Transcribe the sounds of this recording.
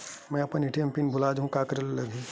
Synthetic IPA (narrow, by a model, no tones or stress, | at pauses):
mɛ̃ɐpənɪʈʰiə̃mpinbʱʊlaːd͡ʒɦũkaːkɾellɐɡi